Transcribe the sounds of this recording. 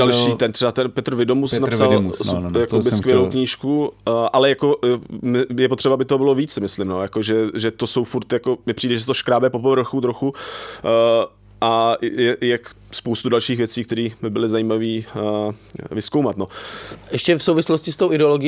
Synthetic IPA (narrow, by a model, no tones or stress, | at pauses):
dalʃʃiːt̪ɛnt̪rɛbat̪ɛnpɛt̪r̩vɪdomusnasalmjakobɪskvjjɛlowkɲiːʃkuʔalɛjako̞mɪjɛpot̪r̝̥ɛbaabɪt̪oobɪlo̞viːt͡ssɪmɪslɪmnojakoʒɛʒɛt̪osowfuɾt̪jakomɪpr̥iːdɛʒɛs̬ɛt̪oʃkɾaːbɛpopovr̩xut̪ɾoxu | ʔajɛjɛk | spowst̪udalʃiːxvjɛt͡siːk̚t̪ɛɾiːbɪbɪlɪzajiːmaviː | vɪskowmat̪noʔɛʃcɛfsowvɪsloscɪst̪owʔɪdɛoloɡɪ